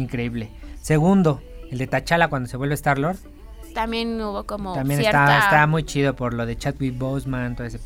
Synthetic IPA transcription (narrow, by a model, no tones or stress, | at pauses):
iŋkɾeiβleseɣund̪o | eld̪e̞t̪at͡ʃalakwand̪oseβwelβest̪aɾloɾð | t̪amjenuβokomot̪ambjenet̪aest̪amujt͡ʃiðopoɾloðet͡ʃat̪̚wit̪̚bosmãnt̪oðese